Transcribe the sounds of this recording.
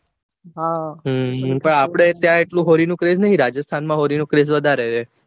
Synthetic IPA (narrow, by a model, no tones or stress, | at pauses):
ɦaɦpəɳapɽ̃et̪jãeʈlũɦoɾinũkɾeznəɦĩɾad͡ʒəst̪ʰanmãɦoɾinũkɾesʋəd̪ʱaɾet͡ʃʰe